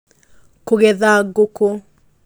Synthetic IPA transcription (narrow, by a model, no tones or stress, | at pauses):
koɣɛðaɡoko